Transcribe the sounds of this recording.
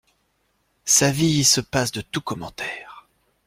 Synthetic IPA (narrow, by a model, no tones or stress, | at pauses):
saviːsəpasd̪ət̪ukɔmɑ̃t̪ʰɛːʁ